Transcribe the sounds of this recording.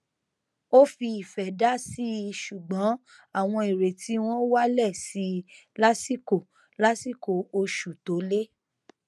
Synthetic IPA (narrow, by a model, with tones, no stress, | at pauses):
o˦fi˧i˨fɛ˨da˦si˦˧ʃu˨ɡ͡bɔ̃˨˦ | a˦˨w̃ɔ̃˧i˨ɾe˨ti˨˦w̃ɔ̃˦wa˦lɛ˦˨si˧˦ | la˦si˦ko˨ | la˦si˦˨ko˨o˧ʃu˨to˨˦le˦